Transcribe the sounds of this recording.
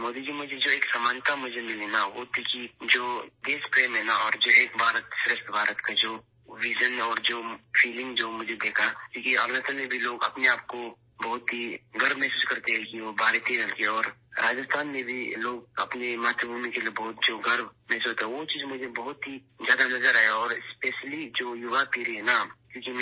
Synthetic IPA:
moːd̪id͡ʒimʊd͡ʒʱed͡ʒoːeːksamaːnt̪amʊd͡ʒʱemɪlenaʋot̪ʰikid͡ʒoːd̪eːspɾeːmɦɛnaɔːɾd͡ʒoːeːk̚bʱaːɾət̪ʃʊɾɪʃt̪bʱaːɾət̪kad͡ʒoː | ʋiːʒənɔːɾd͡ʒoːfʰiːlɪ̃ŋɡd͡ʒoːmʊd͡ʒʱed̪eːkʰakikiaːləst̪əlmẽbʱiloːɡɐ̰pneaːp̚ko | bɐɦʊt̪ɦiɡɐɾbmɛɦsuːskɐɾt̪eɦɛkiʋobaːɾet̪ʰiɾɐlkeɛɔːɾɾaːd͡ʒəst̪ʰaːnmẽbʱiloːɡ̚ɐpnemaːt̪ɾəbʱuːmikeliebɔɦʊt̪̚d͡ʒoːɡɐɾbmɛːsuːt̪eɦɛʋot͡ʃiːzmʊd͡ʒʱebɐɦʊt̪ɦi | zjaːd̪anɐzəɾaːɦaɔːɾɪspeːʃəlid͡ʒoːjʊʋapiːɾeɦɛnakjũːkim

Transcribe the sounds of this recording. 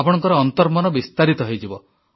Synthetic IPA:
pɔɽ̃ɔŋkɔɾɔːnt̪ɔɾmɔnɔbist̪aɾit̪ɔɦejd͡ʒibɔ

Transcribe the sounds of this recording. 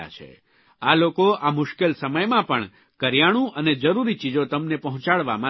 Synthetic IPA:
a̰t͡ʃʰḛ | alokoʔamʊʃkelsəməjmãpəɳ | kəɾjaɽ̃ũʔəned͡ʒəɾuɾit͡ʃid͡ʒot̪əmnepəɦʊ̃t͡ʃaɭʋa̰mã

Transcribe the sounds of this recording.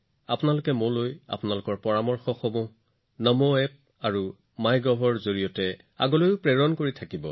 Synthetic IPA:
apʊnalʊkɛmʊ̃loja̰pʊnalʊkɔɹpɔɹamɔɹxɔxɔmʊ̃ | nɔmoɛp̚ | aɹu | majɡɔbʱɔɹzoɹijɔtɛ | a̰ɡolojʊpɹɛɹɔnkoɹitʰakibɔ̰

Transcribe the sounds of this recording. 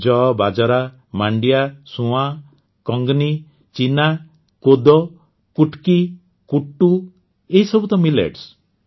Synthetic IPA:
d͡ʒɔbad͡ʒaɾa | maɳɖijasũã | kɔŋɡni | t͡ʃina | kod̪ɔ | kuʈki | kuʈːu | eɦisɔbut̪ɔmilḛʈs

